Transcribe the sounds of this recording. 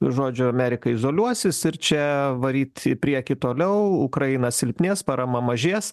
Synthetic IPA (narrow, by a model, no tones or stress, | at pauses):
ʒoːd͡ʒʲʊɐmʲæɾʲɪkɐɪzoːlʲuɔsʲɪsɪɾt͡ʃʲɛʋɐɾʲiːt̪ʲɪpʲɾʲiɛkʲɪt̪oːlʲɛʊʊkɾɐɪnɐsʲɪlʲpʲnʲeːspɑɾɐmɐmɐʒʲiɛs